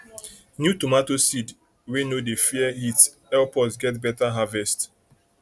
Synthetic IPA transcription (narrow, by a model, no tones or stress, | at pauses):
njutomatosid | wenodefiɛhit | ɛlpɔsɡɛtbɛtaɦavɛst